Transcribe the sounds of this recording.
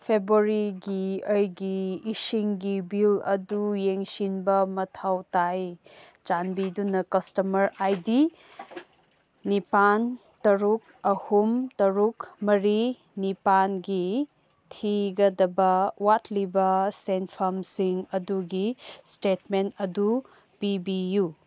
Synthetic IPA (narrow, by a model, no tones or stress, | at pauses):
pʰebɾuɾiɡiəjɡiːsiŋɡibilɐ̰dujeŋsinbɐmɐtʰawtajt͡ʃanbidunɐkɐstɐmɐɾajdi | nipan | tɐɾuk̚ɐhumtɐɾukmɐɾi | nipanɡi | tʰiɡɐdɐbɐwatlibɐsenpʰɐmsiŋɐduɡistetmentɐdu | pibiju